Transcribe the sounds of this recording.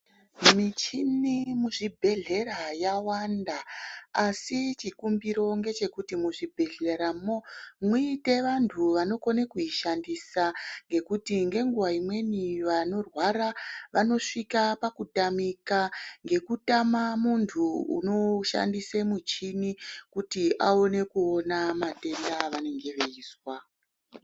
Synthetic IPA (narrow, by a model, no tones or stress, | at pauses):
mit͡ʃinimuʐibʱe̞ɮe̞ɾajawandaː | sit͡ʃikumbiɾo̞ŋɡe̞t͡ʃe̞kutimuʐibʱe̞ɮeɾamomwuite̞ʋantʰuʋano̞konekuiʃandisaŋɡe̞kutiŋɡe̞ŋɡuʋaimwe̞niʋano̞rwaɾaʋano̞ʂikapakutamikaŋɡe̞kutamamuntʰuṵno̞ʃa̰ndisemut͡ʃinikutiʔaone̞kuo̞namate̞ndaʋane̞ŋɡe̞ʋeiːswa